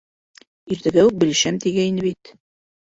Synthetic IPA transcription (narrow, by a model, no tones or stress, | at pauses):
iɾt̪ɘ̆ɡæuk̚bɘ̆l̆ʃæmt̪iɡæinɘβit̪